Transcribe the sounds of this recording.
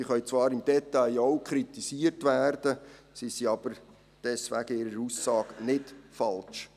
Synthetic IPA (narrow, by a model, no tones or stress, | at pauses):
siχœɥt͡svɑːɾɪmd̥ɛt̪aɪɔwkʰɾit̪isiərtʋæːrd̥ə | sisiɑb̥əɾ | d̥ɛsʋæ̰ɡ̥əɪɾəɾusːɑːɡnɪtfɑlt͡ʃ